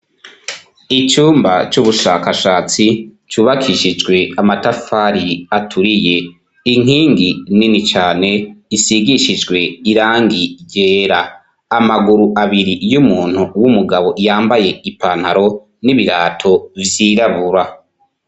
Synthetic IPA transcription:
it͡ʃuːmba̰t͡ʃuβuʃaːkaʃaːt͡sit͡ʃuːβakʰiʃid͡ʒɡwe̞amatafaɾiatʰuɾije̞ | iŋ̥iːŋɡininit͡ʃaːne̞isiɡiʃid͡ʒɡwe̞iɾaːŋɡiɟeːɾaː | maɡuɾuʔaβiɾijumuːn̥uwumuɡaβo̞ʔijaːmbaje̞ipan̥haɾo̞ | niβiɾaːtʰo̞vjiːɾaβuɾa

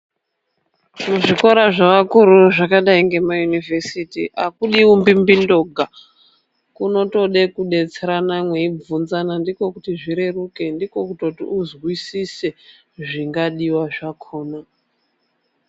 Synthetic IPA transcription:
muʐiko̞ɾaʐaʋakuɾuʐakaɗaiŋɡe̞majunivesitiʔakuɗiwumbimbindo̞ɡʱa | kuno̞to̞ɗe̞kuɗe̞t͡seɾanamweib͡vunzanandiko̞kutiʐiɾe̞ruke̞ndiko̞kutotḭuzɣwisise | ʐiŋɡaɗiwaʐakʰoːna

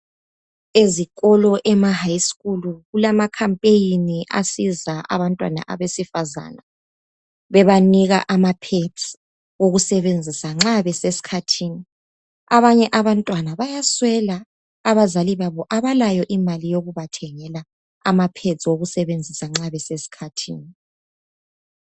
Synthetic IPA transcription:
ezikɔlɔʔɛmahajskʼuluɣulamakʰampʼejiniʔa̰sizaʔa̰βantʼwana̰ʔa̰βesifaza̰na | βɛβaniɣa̰ʔamapʰe̥z̥ʼi̥ | woɣusɛβend͡zʱisaŋ͡ǁaβɛsesi̥kʰatʰiːni | aβaɲɛʔaβantʼwanaβajaswɛlaː | βazaliβaβɔʔaβalajɔʔimalijoɣuβatʰɛŋɛla | amapʰe̥zʼiwoɣusɛβend͡zʱisaŋ͡ǁaβɛsesi̥kʰatʰḭːni

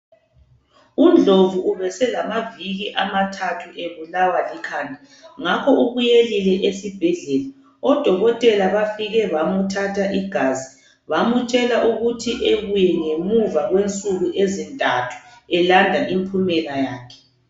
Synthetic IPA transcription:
und͡ɮʱovuːβɛsɛlamaviɣiʔamatʰatʰuʔeβulawalikʰaːntʼi | ŋakʰɔʔuβujelilɛʔesib̥ʱɛɮɛla | ɔd̥ʱɔɣɔtʼɛlaβafiɣɛβamutʰatʰaʔiɡ̥ʱazi | βamut͡ʃʼɛlaʔuɣutʰiʔeβujɛŋemuvaɣwent͡sʼuɣuʔezintʼatʰu̥ɛlandʱaʔimpʰumɛlajaːkʰɛ̥

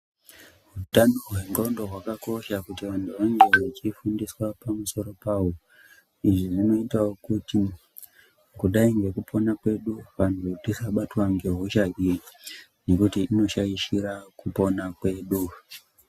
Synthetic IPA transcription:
ɦutanoɦwe̞ŋɡondo̞ɦwakako̞ʃakutiʋantʰuʋaŋɡeet͡ʃifundiswapamuso̞ɾo̞paːɦo | iʐiʐino̞itawokuti | kuɗaiŋɡe̞kupʰo̞nakwe̞ɗuʋan̤uotisaɓatwaŋɡe̞ɦoʃaʔiri | ne̞kutiːno̞ʃaiʃiɾakupo̞nakwe̞ːɗu

